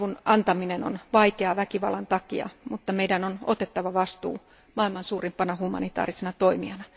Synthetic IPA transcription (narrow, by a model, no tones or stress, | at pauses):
ʋunɑnt̪ɑmineno̰nʋɑikeɑʋækiʋɑ̰lːˑɑnt̪ɑkiɑ̰mut̪ːɑmeidænono̰t̪et̪ːɑʋɑʋɑst̪ṵː | mɑilmɑnsuːrimpɑnɑhumɑ̰nit̪ɑ̰ːrisenɑt̪oimiɑnɑ